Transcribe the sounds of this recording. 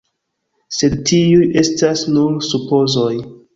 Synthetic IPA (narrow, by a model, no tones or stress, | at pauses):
se̞dtiuje̞stasnuɾsupo̞zoj